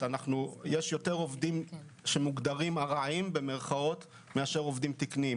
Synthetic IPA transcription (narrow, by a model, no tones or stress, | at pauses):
anaχnujeʃjo̞te̞ʁo̞vd̪im | ʃe̞muɡd̪aʁimaʁaimbe̞me̞ʁχao̞t̪ | meaʃe̞ʁo̞vd̪imt̪ikni